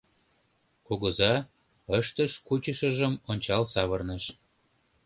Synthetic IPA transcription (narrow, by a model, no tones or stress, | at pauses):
koɣəzɑ | əʃt̪əʃkut͡ɕəʃəʒəmonʲt͡ɕɑlsɑβərnəʃ